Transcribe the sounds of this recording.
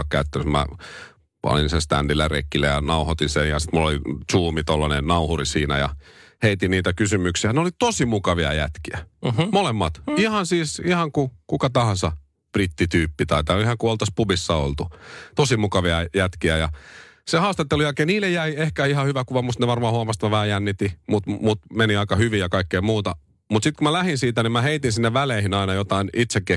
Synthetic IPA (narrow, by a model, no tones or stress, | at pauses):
kkæyt̪ːænysmæ̰ | pɑ̰nḭnsenst̪æ̰ndilːærḛkːilːˑæjɑ̰nɑuhot̪insenjɑsit̪mulːo̰lit͡ʃuːmit̪olːɑnennɑuhuɾisiːnæ̰jɑ̰heit̪inniːt̪ækysymyksiɑneolit̪osimukɑʋiɑ̰jæ̰t̪kiæmolemːɑt̪ihɑnsiːsihɑŋkukukɑt̪ɑhɑnsɑ | b̥rit̪ːit̪yːpːit̪ɑit̪æːihɑŋkuolt̪ɑspubisːɑ̰o̰lt̪ut̪osimukɑʋiɑ̰jæt̪kiæ̰jɑ̰sehɑːst̪ɑt̪ːelujælkeiniːlːejjæiehkæihɑhyʋækuʋɑmust̪neʋɑrmɑːhuɑmɑst̪mæʋæhæjænːit̪imut̪mut̪meniɑikɑhyʋijɑkɑikːeimuːt̪ɑ | mut̪sit̪̚kumælæhinsiːt̪ænimæheit̪insinːeʋʋæleihinɑinɑjot̪ɑinit̪sekːe